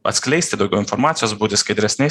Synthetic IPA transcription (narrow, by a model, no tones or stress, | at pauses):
ɐ̰t̪ʲsʲklʲɛɪsʲt̪ʲɪd̪ɐʊɡʲɛʊɪnfɔɾmɑːt̪ʲɪjoːsbuːt̪ʲɪskɐɪd̪ʲɾʲɛsʲnʲɛɪ